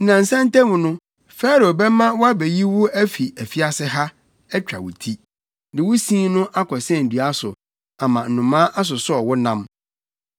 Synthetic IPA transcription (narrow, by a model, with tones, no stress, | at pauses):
nã˨n̩˨sã˦n˦tɛ̃˦mʊ̃˨nʊ̃˦ | fɛ˦ɾo˨bɛ˦mã˦wɔ˦a˦bɛ˨ji˦wʊ˦æ˦fi˨æ˨fi˦a˦sɪ˦ɦa˦ | ɛ˦t͡ɕᶣɾa̰˨wʊ̰˨tʰi˦ | dɪ˨wʊ˦sĩ˦nʊ̃˦ʔa˦kʰɔ˨sɛ̃˦˨n̩˨dɥa˦sʊ̰˨ | a˨mã˨n̩˨nʊ̃˨mã˦ʔa˦s̬ʊ˨sɔ˨wʊ˦nã˦m